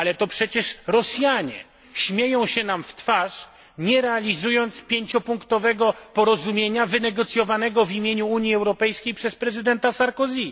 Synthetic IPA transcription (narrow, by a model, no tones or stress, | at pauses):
alɛt̪ɔpʂɛt͡ɕɛʂɾɔsʲjaɲɛ̰ | ɕmʲjejɔ̃w̃ɕɛnamft̪faʂ | ɲɛɾɛalʲizujɔnt̪spʲjeɲt͡ɕɔpuŋkt̪ɔvɛɡɔpɔɾɔzumʲjeɲavɘnɛɡɔt̪sʲjɔvanɛɡɔvʲimʲjeɲuuɲjiɛwɾɔpɛjskʲejpʂɛspɾɛzɘd̪ɛnt̪asaɾkɔzʲi